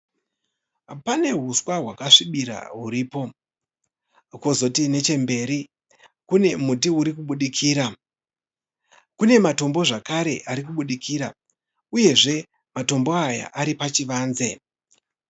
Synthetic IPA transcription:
pane̞ɦuswaɦwakaʂiɓiɾa̰ɦuɾiːpo̞ | kozo̞tine̞t͡ʃe̞mbe̞ːɾi | kune̞mutiuɾikuɓuɗikʰiːɾa | kune̞mato̞mbo̞ʐakaɾe̞ʔaɾik̬uɓuɗikʰiɾa | uje̞ʐe̞ | mato̞mbo̞aja̰ʔaɾipat͡ʃiʋaːnze̞

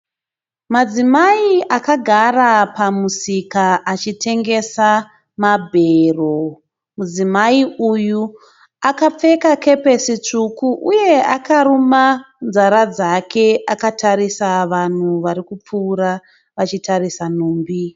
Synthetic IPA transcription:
mad͡zimaiʔakaɡʱarapamusikaʔat͡ʃitʰe̞ŋɡe̞sa | mabʱero | mud͡zimaiuju | akap͡fe̞kake̞pe̞sit͡ʂukuʔuje̞akaɾuma | nzaɾad͡zakʰe̞ʔakatʰaɾisaʋan̤uʋaɾikup͡fuːɾa | ʋat͡ʃitarisan̤uːmbi

